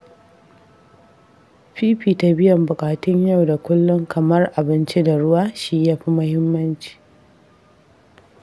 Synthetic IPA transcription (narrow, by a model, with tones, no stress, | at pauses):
ɸiː˦ɸiː˨ta˨bɪ˦jɐ˨mbʊ˨kʼaː˨tʊ˦ɲjɐ˦˨wda˨kʷʊ˦lːʊ˦ŋkʰɐ˨mɐ˦rʔa˨bɪ˦nt͡ʃi˦da˨ɽʊ˦waː˦ʃi˦ja˦ɸi˦mʊ˦hɪ˦mːɐ˦nt͡ʃi̥ː˨